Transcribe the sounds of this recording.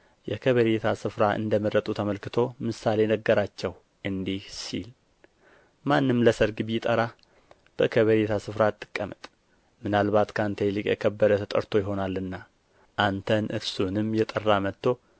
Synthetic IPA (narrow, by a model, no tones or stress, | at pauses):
jɛkʰəβəɾet̪ʰasɨfɾaʔɨ̰nd̪əməɾət̪ʼut̪ʰəməlkɨt̪ʰo̞mɨsale̞nəɡːəɾat͡ʃːɛw | ʔɨnd̪ihsḭl | manːɨmləsəɾɡɨβjɪt̪ʼəɾa | b̥əkʰəβəɾet̪ʰasɨfɾat̪ʼːɨ̥kʼːəmɨt̪ʼ | mɨnalβat̪kʰant̪ʰəjlɨkʼjɛ̰kʰəbːəd̪ət̪ʰət̪ʼə̰ɾt̪ʰo̞jɪɦo̞nalːɨnːa | ʔant̪ʰənʔɨɾsunɨmjɛt̪ʼərːamət̪ːo̞